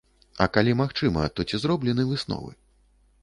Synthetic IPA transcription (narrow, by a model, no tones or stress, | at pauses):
ɐ̰kalʲimaxt͡ʂɨmɐ̰t̪ɔt͡sʲizɾɔblʲɛnɨvɨsnɔ̰vɨ̰